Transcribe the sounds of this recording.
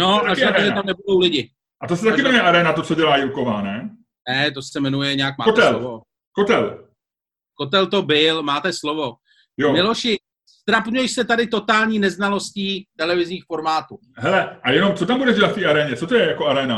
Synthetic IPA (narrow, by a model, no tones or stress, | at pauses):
noaʒat̪aʒɛt̪onɛbudowlɪɟɪ | ʔat̪osɛt̪akɪmɛɾonuɲjɛʔaɾɛːnat̪ot͡soɟɛlaːjɪkovaːnɛ | nɛt̪osɛmɛnujɛɲɛak̚maːkot̪ɛllovo | kot̪ɛl | kot̪̬ɛlt̪o̞bɪlmaːt̪ɛslovo | jomɪloʃɪ | st̪ɾapɲujɛʃsɛt̪adɪt̪o̞t̪aːlɲiːnɛznalo̞sciːt̪ɛlɛvɪzɲiːxfo̞ɾmaːt̪u | ɦɛlɛʔajɛnomt͡sot̪ambudɛʒɟɛlat̪ft̪iːaɾɛːɲɛt͡sot̪ojɛjakoaɾɛːna